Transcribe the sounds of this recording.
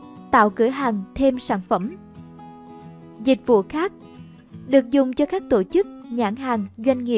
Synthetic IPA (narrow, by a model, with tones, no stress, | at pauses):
t̪a̰ː˧˨wkɨ˧˩˦əɦaː˨˩ŋt̪ʰe˧msaː˧˩nfə˧˩m | zï˨˩k̟̚vṵ˧˨xaː˦˥k̚ | ɗɨ˨˩ək̚zʊ˨˩ŋ͡mt͡ɕɔ˧kaː˦˥k̚t̪o˧˩t͡ɕɨ˦˥k̚ɲaː˧˩ŋɦaː˨˩ŋzwa˧jŋ̟ŋḭ˨˧˨ə